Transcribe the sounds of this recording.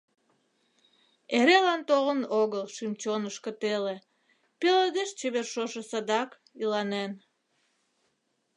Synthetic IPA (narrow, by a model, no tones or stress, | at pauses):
eɾelɑnt̪oɣənoɣəlʃimt͡ɕonəʃkə̆t̪ele | peləd̪eʃt͡ɕeβerʃoʃəsɑd̪ɑk | ilɑnen